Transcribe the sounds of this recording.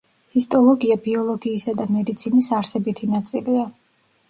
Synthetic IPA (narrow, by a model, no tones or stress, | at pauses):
hist̪ʼɔlˠɔɡiabiɔlˠɔɡiːsad̪amɛd̪it̪sʰinisaɾsɛbit̪ʰinat̪sʼilia